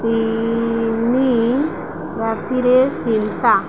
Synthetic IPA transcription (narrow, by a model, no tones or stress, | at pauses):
t̪i | ni | ɾat̪iɾet͡ɕint̪a